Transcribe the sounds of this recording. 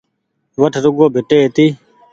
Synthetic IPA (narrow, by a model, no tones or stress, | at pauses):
ʋəʈʰɾʊɡoːbʱɪʈeːɦt̪iː